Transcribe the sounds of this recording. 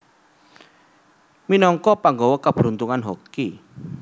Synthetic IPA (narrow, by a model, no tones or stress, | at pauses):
minɔŋkɔpaŋɡɔwɔkəb̥ɾunt̪uŋanɦoki